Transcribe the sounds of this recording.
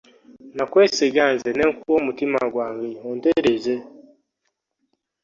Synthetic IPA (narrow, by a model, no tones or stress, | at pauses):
nakweːsiɡanzeneŋkuwomutima̰ɡwaːŋɡehoːndeɾeze